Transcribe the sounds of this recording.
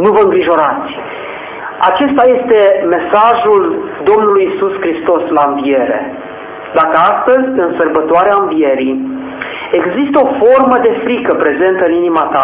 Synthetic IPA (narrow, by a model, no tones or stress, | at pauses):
nuvəɨŋɡɾiʒo̞ɾat̪sʲ | a̰t͡ʃe̞st̪aje̞st̪e̞me̞saʒuld̪o̞mnulujisuskɾist̪o̞slaɨɱvie̞ɾe̞̰ | d̪akəast̪əzʲɨnsərbət̪oaɾeaɨ̃nvije̞ɾi | e̞ɡzist̪əo̞fo̞rməd̪e̞fɾikəpɾe̞ze̞nt̪əɨninimat̪a